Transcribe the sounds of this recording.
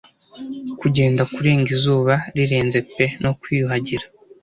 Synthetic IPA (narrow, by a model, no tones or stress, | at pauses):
kuɟe̞ːndakuɾe̞ːŋɡizuːβaɾiɾe̞ːnze̞pe̞no̞kwiːjuɦaɟiɾḁ